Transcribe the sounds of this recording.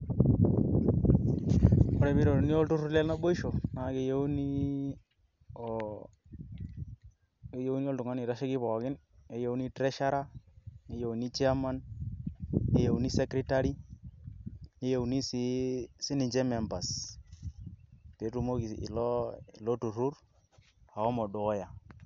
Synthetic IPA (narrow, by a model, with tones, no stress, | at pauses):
ɔ˦ɾɛ˨˦bi˦ɾo˨ɾni˦ɔ˦ltu˦ɾlɛ˦lna˦bo˦i˦ʃo˨na˨ke˦jo˦wni˦ | ke˦jo˦wni˦ɔ˦ltʊ˨ŋa˦ni˨ɾa˦ʃe˦kɪ˦pɔ˨kɪ˦n | e˦jo˦wni˦tɾɛ˦ʃa˦ɾa˦e˦jo˨wni˦t͡ʃi˦a˦ma˦n | e˦je˨wni˦se˦kɾi˦ta˦ɾi˦ | e˦je˨wni˦si˦sɪ˦nɪ˨t͡ʃɛ˦mɛ˨mba˨s | pe˨˦tu˨˦mo˦ki˨ɪ̰˨lɔ˦ɪ̰˨lɔ˦tu˨ru˦ɾ | a˨ɔ˦mɔ˨do˨kɔ˦ja˨